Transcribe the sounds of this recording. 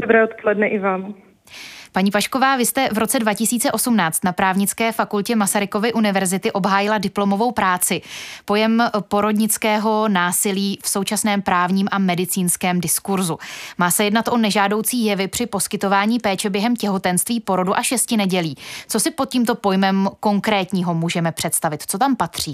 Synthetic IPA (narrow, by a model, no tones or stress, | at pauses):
d̥obɾɛːot̪polɛdnɛʔɪvaːm | paɲiːpaʃko̞vaːvɪst̪ɛvɾo̞t͡sɛdvacɪsiːt͡sɛʔo̞sumnaːt͡st̪napɾaːvɲɪt͡skɛːfakulcɛmasaɾɪko̞vɪʔunɪvɛɾzɪt̪ɪʔo̞bɦaːjɪladɪplo̞mo̞vo̞wpɾaːt͡sɪpo̞jɛmpo̞ɾo̞dɲɪt͡skɛːɦo̞naːsɪliːfso̞wt͡ʃasnɛːmpɾaːvɲiːmʔamɛdɪt͡siːnskɛːmdɪskuɾzumaːsɛjɛdnat̪ʔo̞nɛʒaːdo̞wt͡siːjɛvɪpr̥ɪpo̞skɪt̪o̞vaːɲiːpɛːt͡ʃɛbjɛɦɛmcɛɦo̞t̪ɛnst̪viːpo̞ɾo̞duʔaʃɛscɪnɛɟɛliːt͡so̞sɪpo̞t̪̚ciːmt̪o̞po̞jmɛmko̞ŋkɾɛːt̪ɲiːɦo̞muːʒɛmɛpr̝̥ɛt̪st̪avɪt̪t͡so̞t̪ampat̪r̝̥iː